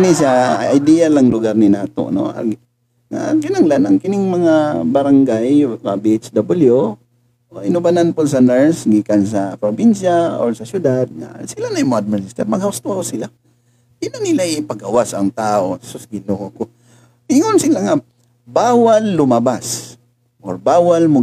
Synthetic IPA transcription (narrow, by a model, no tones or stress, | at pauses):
nɪsa̰ajd̪ijalaŋlʊɡaɾnɪnaːt̪o̰ʔno̰a̰ | ŋa̰ɡɪnaŋlanʔɐŋkɪnɪŋmɐŋabɐɾaŋɡajkabiʔɛt͡ʃd̪abɪlju | ʔoʔɪnʊbananpʊsɐnɛɹsɡikans̬apɾobɪnʃao̰ɾsɐsjʊd̪ad̪̚ŋa̰sɪlanajmad̪̚mɛsɪst̪ɛɾmɐɡhaʊst̪oakosɪla | ɪnonɪlaɪpɐɡawasɐŋt̪aːʔosʊsɡɪlokoko | ɪŋonsɪlaŋa | baːwalːʊmabas | ʔoɾbaːwalmʊ